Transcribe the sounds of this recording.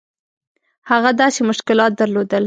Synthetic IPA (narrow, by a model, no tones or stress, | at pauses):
haɣad̪ɑsemʊʃkɪlɑt̪̚d̪aɾlod̪əl